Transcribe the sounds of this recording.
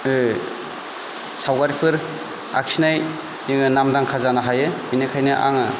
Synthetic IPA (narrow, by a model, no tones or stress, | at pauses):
ɯ | sawɡaɾipʰɯɾ | a̰kʰsinaj | jɯŋɯnamdaŋkʰazanaɦajɯbinɯkʰajnɯʔa̰ŋɯ